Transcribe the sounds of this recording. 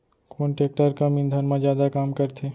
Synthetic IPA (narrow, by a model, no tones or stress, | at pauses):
koːnʈeːk̚ʈəɾkamĩnd̪ʱənmãd͡ʒjaːd̪akaːmkəɾt̪ʰeː